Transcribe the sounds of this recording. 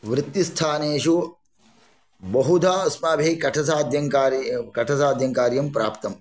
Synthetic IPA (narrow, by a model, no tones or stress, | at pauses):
ʋɾɪt̪jist̪ʰaːneːʃu | bɐɦud̪ʱaːɐsmaːbʱekɐʈʰɐsaːd̪ʱjɐŋkaːɾkɐʈʰɐsaːd̪ʱjɐŋkaːɾjɐmpɾaːpt̪ɐm